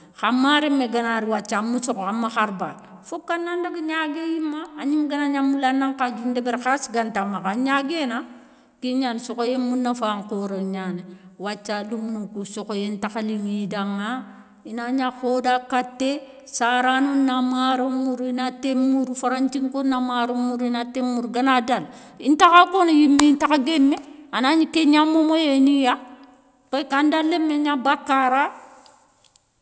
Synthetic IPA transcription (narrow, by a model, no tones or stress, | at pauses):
xamːaɾemeɡanaɾiwat͡ʃːamusokoamːaxaɾba | fokːanːandaɡiɲaɡejimːaːɲiŋɡanaɲamulanːaŋkad͡ʒundebeɾxasiɡantamːakaɲaɡena | kiɲansokojemunːafaːŋkoɾoɲaniwat͡ʃːalumnukusokojentaxaliwidaŋːa | inaɲaxodakatːe | saɾanunːamaɾomuɾinatemːuɾfaɾaɲt͡ʃiŋkonːamaɾomuɾinatemːuɾɡanadal | intakakonajimːeintakaɡemːeanaɲikeɲamːomojenija | pekandalːemːeɲabakːaɾa